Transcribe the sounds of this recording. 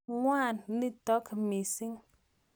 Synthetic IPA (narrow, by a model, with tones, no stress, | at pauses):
ŋwa˦˨nːi˦tɔ˨˦ki˨mi˨si˦ŋ